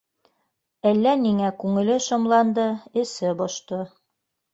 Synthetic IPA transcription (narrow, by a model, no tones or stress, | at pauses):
ælːæniŋækʉŋɘ̆lɘʃŏmlˠɑnd̪ɤɘ̆sɘbɒʃt̪ɤ